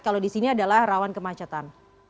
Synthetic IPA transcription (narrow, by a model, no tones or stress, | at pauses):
kalodisiniadalahrawankəmat͡ʃat̪an